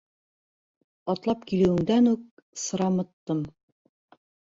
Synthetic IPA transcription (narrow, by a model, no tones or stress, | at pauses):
ɒt̪lˠɑpkilɘ̆wɘ̆ŋd̪ænuk̚sɤ̆ɾɑmɤ̆t̪ːɤm